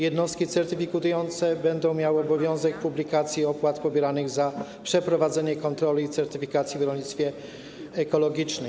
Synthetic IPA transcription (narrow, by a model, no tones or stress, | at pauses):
jɛd̪nɔst̪̚kʲit̪sɛɾt̪ɘfʲikut̪ujɔnt̪sɛbɛnd̪ɔ̃w̃mʲjawɘɔbɔvʲjɔ̃w̃zɛk̚publʲikat̪sʲjiɔpwat̪pɔbʲjɛɾanɘɣzapʂɛpɾɔvad̪zɛɲɛkɔnt̪ɾɔlʲiːt̪sɛɾt̪ɘfʲikat̪sʲjivɾɔlʲɲit̪sfʲjɛ | ɛkɔlɔɡʲit͡ʂnɘm